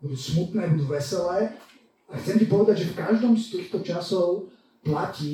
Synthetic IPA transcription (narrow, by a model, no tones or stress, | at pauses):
bud̪usmut̪nɛːbud̪uʋɛsɛlɛː | axt̪t͡sɛmcipɔʋɛd̪aɟʒɛfkaʒd̪ɔːmst̪iːxt̪ɔt͡ʃasɔʊ | placiː